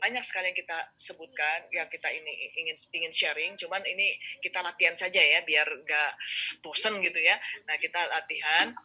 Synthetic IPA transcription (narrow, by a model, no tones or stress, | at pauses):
baɲak̚sə̥kaliaŋkit̪asəbut̪̚kanjaŋkit̪ainiiŋɪniŋɪnʃɛɾɪŋt͡ʃumaninikit̪alat̪iɦansad͡ʒajabiarŋɡaʔbosənɡit̪ujanahkit̪alat̪iɦan